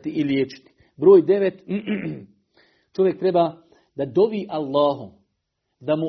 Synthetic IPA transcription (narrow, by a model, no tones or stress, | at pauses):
t̪iʔiljeːt͡ʃi̥t̪i̥ | bɾoːjd̪e̞ʋet̪ | t͡ʃo̞ʋjek̚t̪ɾe̞baː | d̪ad̪o̞biiʔalˠːaːɦo | d̪amu